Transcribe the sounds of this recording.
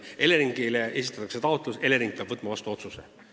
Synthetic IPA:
ʔe̞leɾiŋɡ̥ileʔe̞s̬ʲi̥t̪ːˑɑt̪ɑkset̪ɑo̞t̪ːˑluse̞leɾiŋɡk̚peɑbvɤt̪ːˑmɑvɑst̪uo̞t̪suse

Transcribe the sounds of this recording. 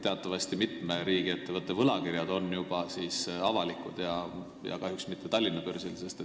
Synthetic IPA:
t̪e̞ɑt̪ːˑɑvɑst̪imit̪meɾiːɡ̥ie̞t̪ːe̞vɤt̪ːe̞vɤlɑkirjɑd̪̥o̞nːjub̥ɑsisɑvɑlikˑud̪̥jɑ | jɑ̰kɑɦjuksmit̪ʰːe̞t̪ɑlʲːinːɑpyrselse̞st̪e

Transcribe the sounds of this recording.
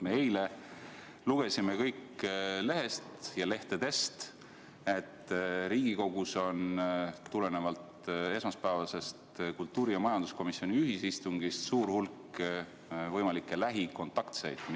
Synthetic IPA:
meejle | luɡ̥e̞simekɤjkːle̞ɦe̞st̪jɑle̞ht̪ed̪̥e̞st̪ | e̞t̪ːɾiːɡ̥iko̞ɡ̥uso̞nːule̞ne̞vɑlt̪e̞smɑspævɑse̞st̪kult̪ːˑuːɾijɑmɑjɑnd̪̥usko̞misːioniyɦisist̪uŋɡ̥ist̪suːɾhulkː | vɤjmɑlikːˑe̞læɦiko̞nt̪ˑɑkt̪sḛjd̪̥m

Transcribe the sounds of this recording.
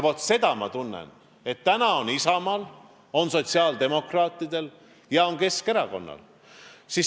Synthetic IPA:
vot̪se̞d̪̥ɑmɑ̰t̪unːḛn | e̞t̪ːænɑo̞nisɑmɑl | o̞nso̞t̪ʲsiɑːld̪̥e̞mo̞krɑːt̪ːˑid̪̥e̞l | jɑo̞nke̞ske̞ɾɑko̞̰nːɑ̰l | si

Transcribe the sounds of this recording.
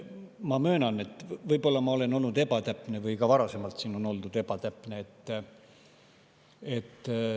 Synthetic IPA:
mɑmø̞ːnɑnet̪ːˑvɤjb̥o̞lːɑmɑo̞le̞no̞lnud̪e̞bɑt̪æpːˑnevɯjkɑvɑɾɑse̞mɑlt̪siːno̞no̞ld̪ud̪̥e̞b̥ɑt̪æpˑneet̪ː | e̞t̪ː

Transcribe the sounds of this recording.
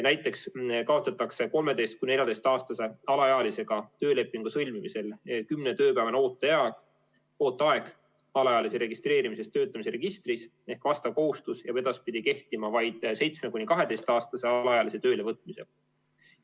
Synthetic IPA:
næjt̪ːˑe̞kskɑot̪sɑt̪ːˑɑkse̞ko̞lme̞d̪e̞jst̪kunejɑd̪̥e̞jst̪ɑːst̪ɑse̞ɑlɑjɑɑlise̞ɡ̥ɑt̪ø̞ːle̞pːˑiŋɡ̥usɤlʲmimise̞lkymne̞t̪ø̞ːpævɑno̞ːt̪ːˑejɑɑ | o̞ːt̪ːˑɑe̞ɡ̥ | ɑlɑjɑliseɾe̞ɡist̪re̞ːɾimise̞st̪ːø̞ːt̪ːˑɑmiseɾe̞ɡ̥ist̪ris | e̞hkvɑst̪ɑko̞ɦust̪usjɑpe̞d̪̥ɑspid̪ike̞ht̪imɑvɑjd̪̥se̞jt̪smekunʲːikɑɦe̞d̪̥e̞jst̪ɑːst̪ɑse̞ɑlɑɑjɑlise̞t̪øːle̞vɤt̪ːˑmise̞̰̥

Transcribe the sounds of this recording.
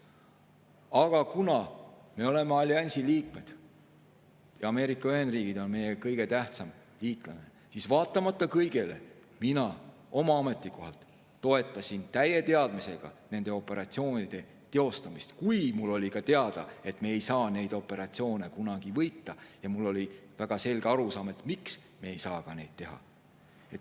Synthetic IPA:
ɑɡ̥ɑkunɑme̞o̞le̞meɑlʲːiɑnʲsiliːk̚me̞d̪̥ | jɑɑme̞ːɾikːˑɑyɦend̪riːɡ̥id̪o̞nme̞jekɤjɡ̥e̞t̪æht̪sɑm | liːt̪ˑlɑne̞ | sisvɑːt̪ːˑɑmɑt̪ˑːɑkɤjɡ̥e̞le̞̰ | minɑ | o̞mɑɑme̞t̪ːˑiko̞ɦɑlt̪ː | o̞e̞t̪ːˑɑsint̪æje̞t̪e̞ɑd̪̥mise̞ɡ̥ɑ̰ne̞nd̪e̞o̞pːˑe̞ɾɑt̪sio̞ːnid̪̥e̞ | t̪e̞o̞st̪ɑmist̪kujmulːo̞lʲikɑt̪e̞ɑd̪̥ɑ̰e̞t̪me̞ːjsɑːne̞jd̪o̞pːˑe̞ɾɑt̪sio̞ːne̞kunɑɡ̥ivɤjt̪ːɑjɑmulːo̞lʲivæɡ̥ɑse̞lʲɡ̥eɑɾusɑːme̞t̪ːˑmiksmeejsɑːkɑne̞̰jd̪̥̚t̪e̞ɦɑ̰ | e̞t̪ː

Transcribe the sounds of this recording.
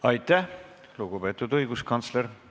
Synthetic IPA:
ɑjt̪ːˑæh | luɡ̥upe̞ːt̪ːˑud̪ɤjɡuskɑnt̪sleɾ

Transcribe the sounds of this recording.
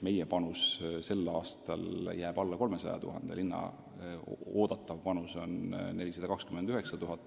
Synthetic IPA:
me̞jepɑnusse̞lːɑːst̪ɑ̰ljæːb̥ɑlːɑko̞lme̞sɑjɑ̰t̪ṵɦɑ̰nd̪̥ḛlinːɑ̰ | o̞ːd̪̥ɑt̪ːˑɑvpɑnuso̞nne̞lʲisɑd̪ɑkɑkskymed̪̥yhe̞ksɑt̪uɦɑt̪ˑː

